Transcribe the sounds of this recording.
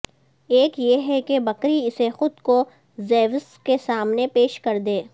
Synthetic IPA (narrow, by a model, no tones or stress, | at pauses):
eːkjeɦɛkebɐkɾiɪsexʊd̪ko | zeːʋəskesaːmnepeːʃkɐɾd̪eː